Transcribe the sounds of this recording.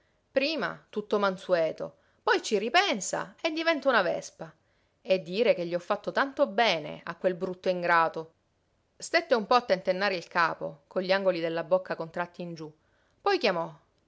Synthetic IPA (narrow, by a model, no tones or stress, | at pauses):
pɾiːma̰t̪ut̪ːomansuɛːt̪o̰ | pɔjt͡ʃiripɛnsa̰ed̪ːivɛnt̪aunavɛ̰spa | ed̪ːiːɾekeʎːiɔfːat̪ːot̪ant̪obɛːnḛa̰kwelbɾut̪ːoiŋɡɾaːt̪o | st̪et̪ːeumpɔat̪ːent̪enːaːɾeilkaːpo̰koʎːiaŋɡolid̪elːabokːakont̪ɾat̪ːiːnd͡ʒu | pɔjkjamɔ